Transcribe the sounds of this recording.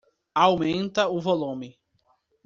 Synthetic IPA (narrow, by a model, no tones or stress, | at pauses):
awmẽnt̪ɐʊvolũmɪ